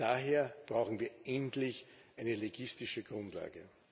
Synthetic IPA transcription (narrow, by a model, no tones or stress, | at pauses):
d̥aːɦeːɐb̥ʁaʊxn̩viːɐʔɛntlɪçʔæɪnəleɡɪstɪʃəɡ̥ʁʊ̃ntla̰ːɡə